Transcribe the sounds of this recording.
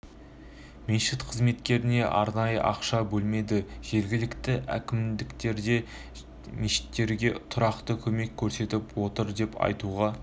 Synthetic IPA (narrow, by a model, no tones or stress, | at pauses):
meʃɪt̪qʰəzme̞t̪kʲe̞ɾɪne̞ʔɑɾnɑjə̰ʔɑqʃɑbɵlme̞d̪ɪʒ̥e̞ɾɡʲɪlɪkt̪ɪʔæ̰kʲɪmd̪ɪkt̪e̞ɾd̪e̞ | meʃɪ̥t̪ːe̞ɾɡʲe̞t̪ʰʊɾɑqt̪əkʲʰɵme̞kʲʰːɵɾse̞t̪ɪpwo̞t̪əɾd̪e̞pʰɑ̰jt̪uʁɑ